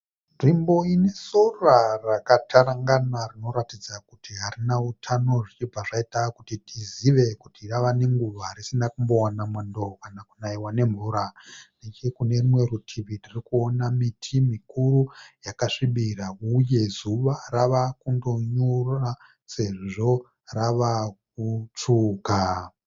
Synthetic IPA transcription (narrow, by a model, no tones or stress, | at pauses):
nʐimbo̞ine̞sorarakatʰaɾaŋɡanarino̞ɾatid͡zakutiɦaɾinautʰano̞ʐit͡ʃib͡vʱaʐaitakutitʰiziʋe̞kutiraʋane̞ŋɡuʋaɾisinakumbo̞wanamendo̞kanakunaiwane̞ɱvuːɾande̞t͡ʃekune̞rimwe̞ɾutʰiʋiririkuonamitʰimikurujakaʂiɓirauje̞zuʋaraʋakundo̞ɲura | se̞ʐʐo̞ | raʋak̚ut͡ʂuːka